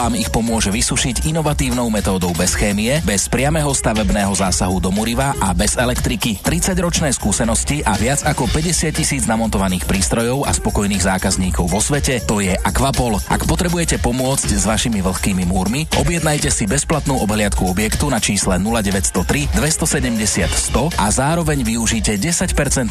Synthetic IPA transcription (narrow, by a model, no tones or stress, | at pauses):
aːmixpɔmʊɔʒɛʋisuʃicinɔʋat̪iːʊnɔʊmɛt̪ɔːd̪ɔʊbɛsxɛːmiɛbɛspɾɪamɛɦɔst̪aʋɛbnɛːɦɔzaːsaɦud̪ɔmuɾiʋaʔabɛzɛlɛkt̪ɾikit̪ɾit͡saɟɾɔt͡ʃnɛːskuːsɛnɔsciʔaʋɪad͡zakɔpɛɟɛsɪat̚cːisiːd͡znamɔnt̪ɔʋaniːxpɾiːst̪ɾɔjɔʊa̰spɔkɔjniːɣzaːkazɲiːkɔʊʋɔsʋɛcɛt̪ɔjɛʔakʋapɔlʔa̰kpɔt̪ɾɛbujɛcɛpɔmʊɔt͡sczʋaʃimiʋl̩xkiːmimuːɾmiʔɔ̰bjɛd̪najcɛsibɛsplat̪nuːʔɔbɦlɪat̪kuɔbjɛkt̪unat͡ʃiːslɛnulaɟɛʋɛcst̪ɔt̪ɾid̪ʋɛst̪ɔsɛɟɛmɟɛsɪat̪st̪ɔʔazaːɾɔʋɛɲʋiuʒiːcɛɟɛsacpɛɾt͡sɛn